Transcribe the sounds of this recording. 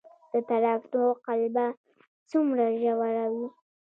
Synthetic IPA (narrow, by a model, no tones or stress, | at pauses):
d̪̥ət̪aɾafd̪oqalba | t͡sumɾaʒawaɾawi